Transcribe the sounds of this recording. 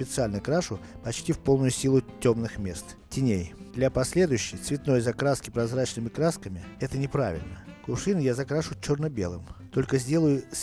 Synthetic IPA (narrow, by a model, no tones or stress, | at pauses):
pʲɪt̪sɨalʲnəkɾaʂʊpɐt͡ɕtʲifpo̞lˠnʊjʊsʲilˠʊtʲomnɨxmʲe̞st̪ | tʲɪnʲejd̪lʲapɐsʲlʲe̞d̪ʊjʊɕːɪjt̪svʲɪt̪no̞jzɐkɾaskʲɪpɾɐzɾat͡ɕnɨmʲɪkɾaskəmʲɪɛt̪ənʲɪpɾa̰vʲɪ̰lʲnəkʊʂɨnʊjazɐkɾaʂʊt͡ɕːornəbʲe̞̰lˠɨmt̪o̞lʲkəzʲdʲe̞lˠʊjʊsʲ